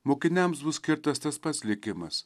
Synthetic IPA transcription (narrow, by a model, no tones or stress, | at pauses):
mokʲɪnʲæmsbʊskʲɪɾt̪ɐst̪ɐspɐsʲlʲɪkʲɪmɐ̰s